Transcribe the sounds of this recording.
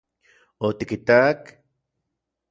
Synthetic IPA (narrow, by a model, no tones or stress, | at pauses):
ot̪ikit̪ak